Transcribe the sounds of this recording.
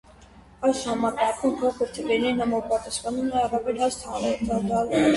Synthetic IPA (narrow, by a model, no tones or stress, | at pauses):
ɑjsɑmɑkɑkʰumpʰɔkʰəɾt̪ʰəbɛɾnɛɾnɑmɔpɑt̪ɑsχɑnumɛɑrɑvɛlhɦɑst̪ʰɑnɛɾt̪ɑd̪ɑlɛɾ